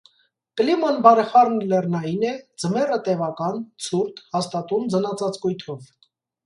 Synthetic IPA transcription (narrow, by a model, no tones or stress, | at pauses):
klimɔnbɑɾɛχɑrnlɛrnɑjinɛd͡zəmɛrət̪ɛvɑkɑnt͡sʰuɾt̪hɑst̪ɑt̪umd͡zənɑt͡sɑt͡skujt̪ʰɔv